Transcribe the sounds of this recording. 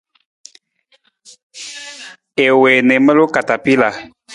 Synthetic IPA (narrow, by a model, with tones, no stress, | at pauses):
e˨we˨nɛ˨˦mə˦lo˦ka˨ta˨pi˦la˨